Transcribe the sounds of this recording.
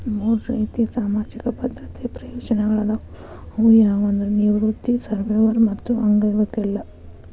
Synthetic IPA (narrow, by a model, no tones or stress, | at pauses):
muːɾɾɐ̰jt̪isaːmaːd͡ʒikɐbɐd̪ɾɐt̪ʰepɾɐjɔːd͡ʒɐnɐɡɐɭɐd̪ɐ | ujaːʋɐnd̪ɾeniʋɾut̪ːisɐɾʋeːʋɐɾmɐt̪ːuɐŋɡɐʋɐɾkɛlːɐ